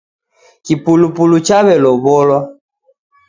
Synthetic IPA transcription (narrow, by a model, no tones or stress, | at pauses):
kipulupulut͡ʃaβɛlɔβɔlwa